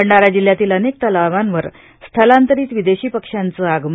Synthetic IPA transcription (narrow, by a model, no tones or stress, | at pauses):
əɳɖaɾad͡ʑil̤jat̪iːlənek̚t̪əlaʋanʋəɾ | st̪ʰəlant̪əɾiːt̪ʋid̪eɕiːpəkʂant͡səaɡm